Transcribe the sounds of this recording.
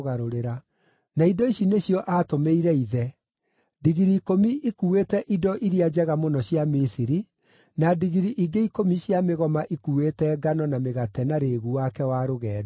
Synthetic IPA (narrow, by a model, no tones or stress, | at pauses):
ɣaɾoɾeɾa | naidɔiɕineɕjɔʔaːtomeiɾɛiðɛ | diɣiɾiːkomiʔikuwetɛʔidɔʔiɾiad͡ʑɛɣamonɔɕjamisiɾi | nadiɣiɾiʔiɡeikomiɕjameɣɔmaʔikuwetɛɡanɔnameɣatɛnaɾeɣuwakɛwaɾoɣɛːd